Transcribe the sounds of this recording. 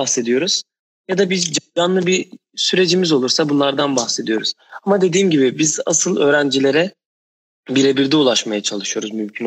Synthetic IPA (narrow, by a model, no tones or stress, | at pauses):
axse̞d̪ijo̞ɾuz̥ | jad̪abid͡ʒɡanlˠɯbi | syɾe̞d͡ʒimizo̞lˠuɾsabunlˠaɾd̪anbaxse̞d̪ijo̞ɾuz̥amad̪e̞d̪iːmɟibibiza̰sɯlˠø̞ːɾænd͡ʒilʲe̞ɾɛ | biɾebiɾd̪ɛulˠaʃmajat͡ʃʰalˠɯʃɯjo̞ɾuzmymcʰin